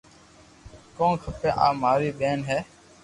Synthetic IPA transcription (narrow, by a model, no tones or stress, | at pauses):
kõːkʰəpeːʔaːmaːɾiːɓeːnɦɛː